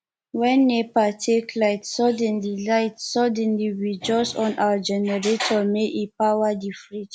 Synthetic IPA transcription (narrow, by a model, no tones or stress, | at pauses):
wɛ̃nːepatʰekʰlaɪtsɔdɛ̃nlilaɪtsɔdɛ̃nliɹid͡ʒɔsɔ̃nʔawad͡ʒɛnɛɹetʰɔmeʔepawadifɹit